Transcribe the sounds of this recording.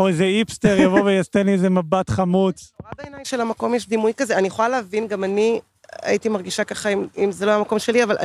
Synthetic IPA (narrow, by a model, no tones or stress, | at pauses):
oezeipst̪eʁjjavovejast̪eniezemabat̪χamut͡sadaenajmʃelamako̞mjeʃd̪imujkazeanieχolaleavinɡamani | a̰it̪imaʁɡiʃakaχaimimzelojamako̞mʃe̞liavalʔa̰